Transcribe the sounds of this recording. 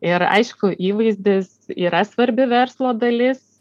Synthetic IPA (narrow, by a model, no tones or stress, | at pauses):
ɪɾɐ̰ɪʃkʊʔiːʋɐɪzʲd̪ʲɪsiːɾɐsʋɐɾʲbʲɪʋʲɛɾslˠoːd̪ɐlʲɪs